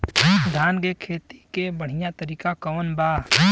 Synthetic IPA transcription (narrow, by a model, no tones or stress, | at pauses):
d̪ʱaːnɡekʰeːt̪i̥kebəɽ̤ijat̪əɾiːkakəʋnba